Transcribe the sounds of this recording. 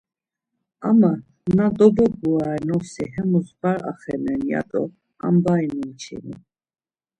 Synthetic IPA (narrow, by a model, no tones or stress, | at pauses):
ama | nad̪ɔbɔɡuaɾɛnɔsiɦɛmusbaɾa̰χɛnɛnja̰t̪ʼɔ | a̰mbainunt͡ʃʰḭnḭ